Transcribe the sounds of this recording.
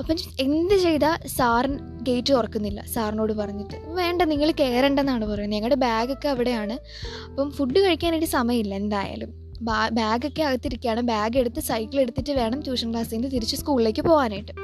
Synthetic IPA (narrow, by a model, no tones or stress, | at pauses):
ɐpːɐe̞nd̪ɨt͡ɕe̞jt̪asaːrn | ɡe̞jtːɨorɐkːunːilːɐ̰saːrno̞ːɽɨpɐrɐɲːiʈːɨʋe̞ːɳɖɐniŋːɐɭke̞ːrɐɳɖenːaːɳɨpɐrɐjunːɲeŋːɐɽebaːɡokːeɐʋiɽe̞jaːɳɨ | ɐpːɐmfuɖːɨkɐɻikʲːaːniʈɨsɐmɐjɐmilːɐe̞nd̪aːja̰ːlum | babaːɡokːeɐɣɐt̪ːiɾikʲːaːɳɨbaːɡe̞ɽut̪ːɨsɐjkːile̞ɽut̪ːitːɨʋe̞ːɳɐmd̪uːʂɐŋkɭaːsend̪ɨt̪iɾit͡ɕːɨskuːɭile̞ːkːɨpo̞ːɣaːnaːjiʈːɨ